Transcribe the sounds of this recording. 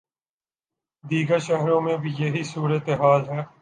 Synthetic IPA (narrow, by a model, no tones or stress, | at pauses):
d̪iːɡəɾʃɛɦɾõːmẽbʱijeɦisuːɾət̪eɦaːlɦɛː